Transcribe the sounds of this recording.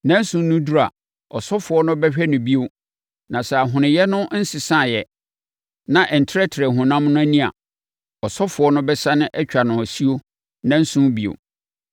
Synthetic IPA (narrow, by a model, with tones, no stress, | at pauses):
nã˦n̩˦sũ˦n˦nʊ̃˦du˦ɾa̰˨ | ɔ˨sɔ˦fʊ˨ɔ˦nʊ̃˦bɛ˦ɕᶣɛ˦nʊ̃˨bi˦o˦ | nã˨sɛ˨a˨ɦʊ̃˨nɪ̃˨jɛ˦nʊ̃˦n̩˦sɪ˨sã˦˨jɛ˨ | nã˨ʔɛ˨n̩˨tʰɪ˦ɾɛ˦tʰɪ˨ɾɛ˨ɦʊ̃˨nã˦m˦nʊ̃˦æ˦nĩ˦a̰˨ | ɔ˨sɔ˦fʊ˨ɔ˦nʊ̃˦bɛ˦sa˦nʊ̃˦ʔɛ˦t͡ɕᶣa˨nʊ̃˨ɔ˨si˦o˦ | nã˦n̩˦sũ˦n˦bi˦o̰˨